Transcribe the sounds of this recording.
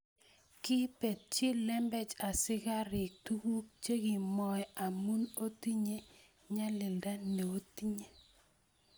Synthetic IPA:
kɪ˦pe˨t̚t͡ʃi˦lɛ˦mbɛ˦t͡ʃa˨sɪ˦ka˦ɾɪ˨k̚tu˦ɡu˦k̚t͡ʃe˦ɡi˨mɔ˨ɛ˨a˨mu˦no˦ti˦ɲe˦ | ɲa˦lɪ˨lda˦nɛ˨o˦ti˦ɲe˦

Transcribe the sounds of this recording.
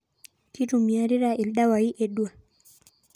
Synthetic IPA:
ki˦tu˨mja˦ɾi˦ɾa˨i˨lɗa˦wa˨i˦ʔɛ˨ɗu˦a˨

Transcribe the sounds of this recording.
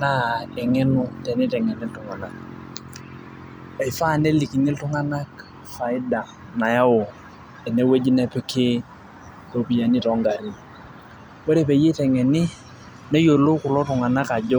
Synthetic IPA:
na˦ɛ˨ŋɛ˦nʊ˦tɛ˨nɪ˦tɛ˨ŋɛ˨ni˦ltʊ˨ŋa˨na˨k̚ | e˨fa˦˨ne˦li˨ki˨ni˦ltʊ˦ŋa˦na˦k | fa˨ɪ˦da˨ | na˨ja˦wʊ˨ | ɛ˨ne˦we˦d͡ʒi˦nɛ˦pɪ˦kʰɪ˦ | to˨pi˨ja˨nɪ˦tɔ˦ŋɡa˨ɾɪ˦n | wo˦ɾe˨pe˨je˦tɛ˨ŋɛ˨nɪ˦ | ne˦jo˨lo˦kʊ˨lɔ˦tʊ˨ŋa˨na˦ka˨d͡ʒɔ˦

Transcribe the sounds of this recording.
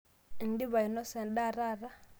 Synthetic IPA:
n˦di˦βa˨i˨nɔ˦sɛ˨nɗa˦˨ɾa˦˨ɾa˦

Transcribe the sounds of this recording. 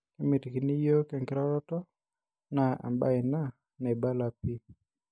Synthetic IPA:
kɪ˦mɪ˨tki˨ni˦jo˦kɛ˨ŋkɪ˦ɾɔ˦ɾɔ˦tɔ˦ | na˨a̰˨mba˦ɪ˨na˦ | na˨i˨ba˦la˨pi˦

